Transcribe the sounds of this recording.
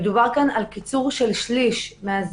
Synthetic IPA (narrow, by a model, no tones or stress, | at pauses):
d̪ubaʁkanalkit͡suʁʃelʃliʃmeaz